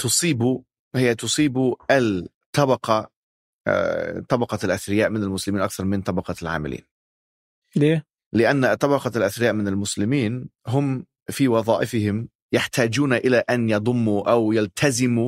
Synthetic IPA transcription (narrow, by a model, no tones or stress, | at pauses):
t̪ʊsˤiːbu | hɪjːat̪ʊsˤiːbuʔal | t̪ɑbɑqɑ̰ | t̪ˤɑbɑqɑlʔaθɾɪjaːʔmɪnalmʊslɪmiːnʔakθɑɾˤmɪnt̪ˤɑbɑqɑlʕa̰ːmɪ̰lʔḭːn | leː | lɪʔanːat̪ˤɑbɑqɑlʔaθɾɪjaːʔmɪnalmʊslɪmiːnɦʊm | fiːwɑðˤɑːʔɪfɪhɪm | jaħt̪aːd͡ʒuːnaʔɪlaʔanjɑd̪ˤʊmːuʔawjalt̪ʰazɪmu